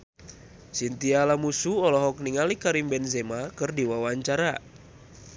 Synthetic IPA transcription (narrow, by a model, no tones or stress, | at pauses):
sint̪ialamusuɔlɔɦɔk̚niŋalikaɾimbɛnzemakɨrdiwawaɲt͡ʃaɾa